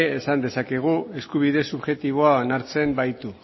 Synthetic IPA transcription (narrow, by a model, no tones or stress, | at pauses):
esand̪e̞sake̞ɣ̞ue̞skuβ̞iðe̞suβʝe̞t̪iβ̞oaonaɾt͡se̞mbajt̪u